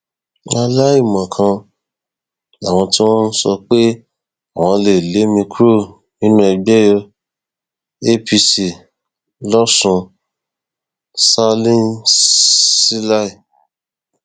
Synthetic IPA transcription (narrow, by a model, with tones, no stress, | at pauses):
a˧la˦i˦˨mɔ̃˨kʰã˧ | a˨w̃ɔ̃˧ti˦w̃ɔ̃˦n̩˦sɔ˧k͡pe˦ | a˨w̃ɔ̃˧le˨le˨˦mĩ˧kɾo˦˨ | nĩ˦nũ˦ɛ˧ɡ͡bɛ˦jɔ˧ | e˦pi˧si˨ | lɔ˦sũ˧ | sa˦lĩ˦n | si˦la˦i˦˨